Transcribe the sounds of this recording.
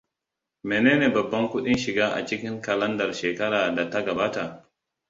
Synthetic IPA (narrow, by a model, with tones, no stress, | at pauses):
meː˨neː˦neː˨bɐ˨bːɐ˦ŋkʷʊ˦ɗɪ˦nʃɪ˨ɡaː˦ʔa̰˨t͡ʃɪ˦kʲɪ˦ŋkɐ˨lɐ˦ndɐ˨rʃeː˨kɐ˦ɾaː˨da˨ta˦ɡɐ˨baː˦ta˨